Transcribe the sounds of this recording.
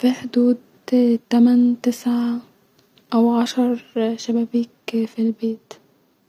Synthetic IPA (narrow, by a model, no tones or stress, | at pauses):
fiħd̪uːd̪ | t̪æmænt̪ɪsʕa | ʔæwʕɑʃɑɾˤʃæbæbiːkfilbeːt̪